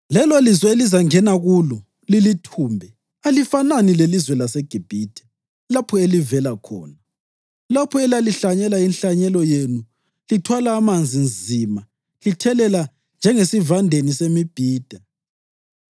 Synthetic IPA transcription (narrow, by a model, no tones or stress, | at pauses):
lɛlolizwɛelizaŋɛnaɣulɔ | lilitʰuːmbʱɛ | alifananilelizwɛlasɛɡ̥ʱib̥ʱiːd̥ʰʱʼɛ̥ | lapʰɔelivɛlakʰɔ̰ːna | lapʰɔɛlaliɬaɲɛlainɬaɲɛlɔjenu | litʰwalaːmand͡zʱinzʱima | litʰɛlɛla | nd͡ʒʱɛŋesivandʱenisemib̥ʱiːd̥ʱa